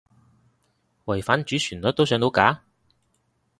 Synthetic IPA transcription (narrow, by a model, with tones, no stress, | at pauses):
wɐ˨˩jfaː˨˥nt͡ʃyː˨˥syː˨˩nlɔː˨˥t̪o˥wsœː˨˥ŋt̪o˨˧wkaː˨˥